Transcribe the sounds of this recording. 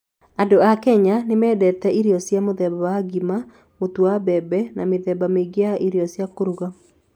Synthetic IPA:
adoakɛɲanemɛːdɛtɛiɾɔsjamoðɛbawaɡima | motuabɛbɛnameðɛbameɡeaʔiɾiɔsjakoɾuɣa

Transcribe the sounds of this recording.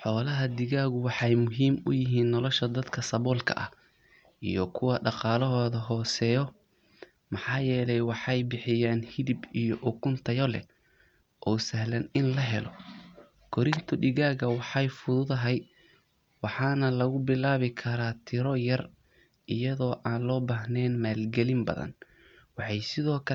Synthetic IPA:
ħɔːlɐɦɐd̪ɪɣaːɣʊwɑħɑjmʊɦiːmʊ̰jɪɦiːnːɔlɔʃɐd̪ɐd̪kʰɐsɐβɔːlkʰɐ̰ʔɐ̰h | ʔḭjɔkʰʊwɐɖɑqɑːlɔɦɔːðɐɦɔːsɛjɔ | mɑħɑːjɛːlɛjwɑħɑjbɪħɪjaːnhɪðɪbijɔʔʊkʰʊnt̪ʰɐjɔlɛ̰ | ʔɔːsɐɦlɐnɪnlɐɦɛlɔ | kʰɔɾɪnt̪ʰɔɖɪɣaːɣɐwɑħɑjfʊðʊðɐɦɛj | wɑħɑːnɐlɐɣʊbɪlaːβɪkʰɐɾaːt̪ʰɪɾɔjɐr | ʔɪjɐðɔːʔaːnlɔːbaːɦnɛːnmaːlɡɛlɪmbɐ̰ðɐ̰n | wɑħɑjsɪðɔːkʰɐ

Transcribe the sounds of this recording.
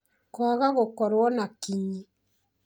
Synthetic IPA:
kwaɣaɣokɔɾwɔnakiɲi

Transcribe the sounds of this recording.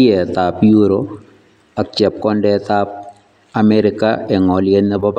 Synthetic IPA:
ɛt̪apjuɾo | ak̚t͡ʃɛp̚kɔndɛt̪ap̚ | amɛɾɪka̰ɛŋɔljenɛbɔb

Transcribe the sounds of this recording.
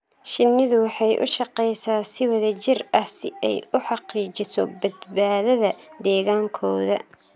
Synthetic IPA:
ʃɪnːɪðʊwɑħɑjʔʊ̰ʃɑqɛjsaːsɪwɐðɐt͡ʃɪrɐhsɪɛ̰jʊħɑqiːt͡ʃɪsɔ̰bɐd̪baːðɐðɐd̪ɛːɣaːŋkʰɔːðɐ

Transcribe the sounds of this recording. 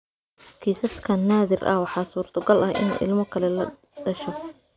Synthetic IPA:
kʰiːsɐskʰɐnaːðɪrʔɐ̰wɑħɑːsuːrt̪ʰɔɡɐlʔɐhʔɪ̰nɛ̰ʔɪ̰lmɔkʰɐlɛlɐ | ɖɐʃɔ

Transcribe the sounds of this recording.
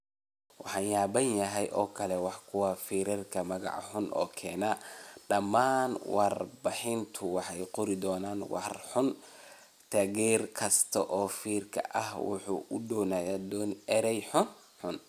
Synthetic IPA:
wɑħɑːnjaːbɐnjɐɦɛjʔɔːkʰɐlɛwɑħkʰʊwafiːɾɐrkʰɐmɐɣɑ̰ʕħʊnʔɔ̰ːkʰɛːnɐɖɐmːaːnwɑrbɑħɪnt̪ʰʊwɑħɛjqʊɾɪd̪ɔːnaːnwɑ̰rħʊn | t̪ʰɐːɣɛːrkʰɐst̪ʰɐʔɔːfiːrkʰɐ̰ʔɐhwʊ̰ħṵːʔʊdɔːnaːjaːd̪ɔːnɛɾɛjħʊn | ħʊn

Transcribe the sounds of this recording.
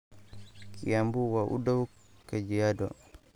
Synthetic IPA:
kʰijambuwaʔṵdaw | kad͡ʒijadɔ̰

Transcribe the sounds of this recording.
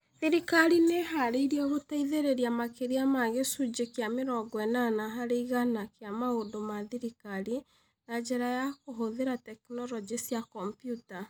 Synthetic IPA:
ðiɾikaɾineɦaɾeiɾiɛɣotaiðeɾeɾiamakeɾiamaɣesud͡ʒekjameɾɔɡwɛnanaɦaɾeiɣanakeamaondomaðiɾikaɾi | nad͡ʒeɾajakoɦoðeɾatɛknɔɾɔd͡ʒisjakɔmpjuta

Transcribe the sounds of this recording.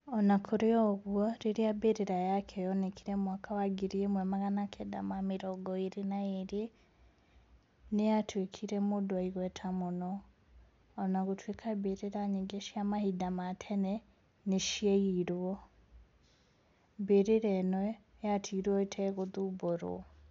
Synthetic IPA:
ɔnakʰoɾeɔɣwɔɾeɾiabeɾeɾajakʰɛjɔnekʰiɾɛmwakʰawaɡiɾemwɛmaɣanakʰɛda̰mameɾɔɡɔeɾenaeɾe | nejatwekʰiɾɛmodoaiɣwɛtʰamonɔː | naɣotwekʰabeɾeɾaɲeɡeʃiamahidamatʰɛnɛ | neʃieiɾwɔ | beɾeɾɛnɔɛ | jatʰiɾwɔetʰɛɣoðuboɾo̰

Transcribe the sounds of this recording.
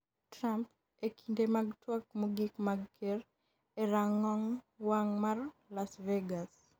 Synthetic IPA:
tɾamp | ekʰindemaɡtwak̚mɔɡikmaɡkʰer | eɾaŋɔŋ | waŋmarlasveɡas

